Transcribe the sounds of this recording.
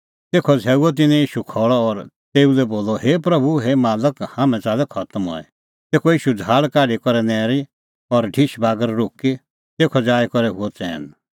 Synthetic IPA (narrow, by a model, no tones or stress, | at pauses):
t̪eːkʰɔd͡zʱɛːuɔt̪̬ɪnɛ̃jiːʃukʰɔːɭɔːɾ | t̪eːulɛboːlɔheːpɾɐbʱuɦeːmaːləkhãːmɛ̃t͡saːlɛkʰɐt̪əmɦɔ̰ɛ̰ | t̪eːkʰɔjiːʃud͡zʱaːɭkaːɖikɔɾɛnɛːɾi | ɔɾɖʱiʃbaːɡəɾɾʊki | t̪eːkʰɔd͡ʒaːjkɔɾɛɦʊɔt͡sɛ̰̃ːn